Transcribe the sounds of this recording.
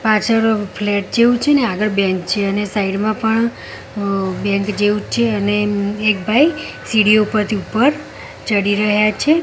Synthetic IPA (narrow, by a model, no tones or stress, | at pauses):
pat͡ʃʰəɾpʰleʈ̚d͡ʒeʋũt͡ʃʰeneaɡəɾbjɛ̃ŋk̚t͡ʃʰeənesaiɖmãpəɳ | bjɛ̃ŋkd͡ʒeʋũt͡ʃʰeəneːk̚bʱai | siɽijoupəɾt̪ʰiupːəɾ | t͡ʃəɽiɾəɦjat͡ʃʰe